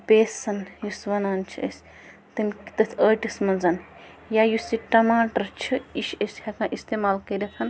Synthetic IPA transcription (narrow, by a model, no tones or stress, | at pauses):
peːsɐnjusʋɐnaːnt͡ʃʰiə̰sʲ | t̪ɨnkt̪ɐt̪ʲʰəːʈismɐnzɐn | jajusiʈɐmaːʈɐɾt͡ʃʰiiʃəsʲhɐkãːʔist̪eːmaːlkɐɾʲɐt̪ʰɐn